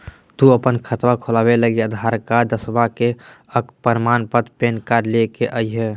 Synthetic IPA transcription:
t̪uəpənkʰət̪ʋakʰolabeləɡiəd̪ʱaɾkad̪əsbake | əkpəɾmaːnpət̪peːnkaɾlekeʔəiɦɛ

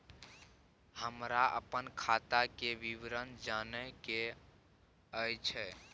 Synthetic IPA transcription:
həmɾaʔə̰pənkʰat̪akebiʋɾənd͡ʒanɛke | əjt͡ʃʰɛ

